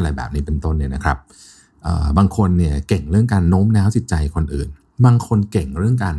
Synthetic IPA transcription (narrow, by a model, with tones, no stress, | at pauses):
ɾa˧jbɛ̰ː˨˩p̚niː˦˥pe˧nt̪o˥˩nːi˥˩ɐna˦kʰɾa˦˥p̚ | ʔɤ̰ː˨˩baː˧ŋkʰo˧nːi˥˩əkɛ˨˩ŋɾɯ˥˩əŋkaː˧nːoː˦˥mnɛː˦˥wsʰi˨˩t̪̚t͡ɕa˧jkʰo˧nʔɯ̰ː˨˩n | baː˧ŋkʰo˧nkɛ˨˩ŋɾɯ˥˩əŋkaː˧n